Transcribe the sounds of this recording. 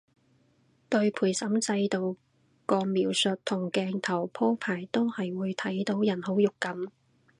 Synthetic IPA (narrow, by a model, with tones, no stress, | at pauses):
t̪ɵ˧ɥpʰuː˨˩jsɐ˨˥mt͡sɐ˧jt̪o˨˧w | kɔː˧miː˨˥wsɵ˨t̚t̪ʰʊ˨˩ŋkɛː˧ŋt̪ʰɐ˨˩wpʰoː˥pʰaː˨˩jt̪o˥whɐ˨jwuː˨˧jt̪ʰɐ˨˥jt̪o˨˥wjɐ˨˩nho˨˥wjʊ˨kːɐ˨˥m